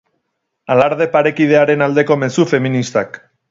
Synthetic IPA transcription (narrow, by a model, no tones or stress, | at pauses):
alaɾðe̞paɾe̞kið̞e̞aɾe̞nald̪e̞ko̞me̞sufe̞minist̪ak